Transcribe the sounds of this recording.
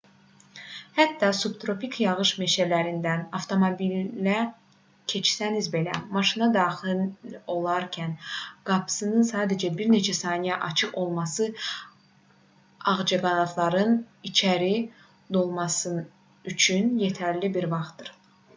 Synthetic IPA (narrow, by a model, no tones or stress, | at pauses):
hæt̪ːɑsubt̪ɾo̞pikʰjɑʁɯʃmeʃælæɾind̪ænɑft̪ʰo̞mobilːæ | cʰe̞t͡ʃʰsænizbe̞læ̰mɑʃinɑd̪ɑːχilo̞lˠɑɾcʰænɡ̥ɑpʰɯ̥sɯnɯnsɑːd̪æd͡ʒæbiɾne̞t͡ʃʰæsɑːnijæʔɑt͡ʃʰɯqo̞lˠmɑsɯ | ɑʁd͡ʒɑɡɑnɑt̪ʰlˠɑɾɯnit͡ʃʰæɾi | d̪o̞lˠmɑsɯ | yt͡ʃʰynje̞t̪ʰæɾlibiɾvɑχt̪ːɯɾ